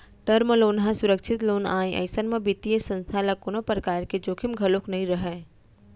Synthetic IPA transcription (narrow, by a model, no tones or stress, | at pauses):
ʈəɾmloːnɦãsʊɾəkʃʰɪt̪loːnaːẽʔɐ̰ɪsənmẽbit̪ijesɐ̃nst̪ʰalakʊnopɾɐkaːɾked͡ʒoːkʰimɡʱɐloknɐɦĩɾɐɦɛː